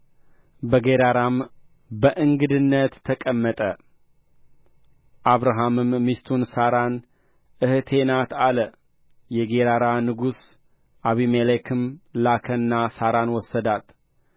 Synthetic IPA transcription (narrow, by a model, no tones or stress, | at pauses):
bəɡeɾaɾam | bəʔɨŋɡɨd̪ɨnːət̪ʰːəkʼəmːət̪ʼə | ʔaβɾaɦamɨmːist̪ʰunsaɾan | ʔɨht̪ʰe̞nat̪alə | jɛɡeɾaɾanɨɡus | ʔaβimelekʰɨmlakʰənːasaɾanwɔsːəd̪at̪